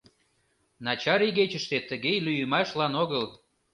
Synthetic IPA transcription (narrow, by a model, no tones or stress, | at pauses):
nɑt͡ɕɑɾiɣet͡ɕəʃt̪et̪ːəɣejlyjəmɑʃlɑnoɣəl